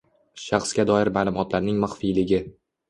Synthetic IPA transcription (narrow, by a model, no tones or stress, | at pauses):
ʃɑχskʲad̪ɒɪɾmaːlˠʊmɒt̪ʰlaɾnɪŋmaχfijlɪɡʲɪ